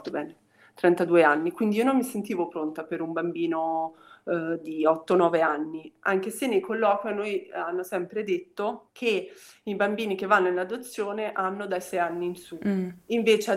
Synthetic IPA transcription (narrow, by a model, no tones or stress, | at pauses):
t̪obɛːne | t̪ɾɛnt̪ad̪uːeanːikwind̪iiːonomːisent̪iːvopɾont̪apeɾumbambiːno | d̪iɔt̪ːonɔːveanːiaŋk̟esenːejkolːɔːkwjanːojanːosɛmpɾed̪et̪ːokʰeibambiːnik̟evːanːoinlad̪ot̪sːjoːneʔanːod̪ajsɛjanːiːnsuiɱveːt͡ʃ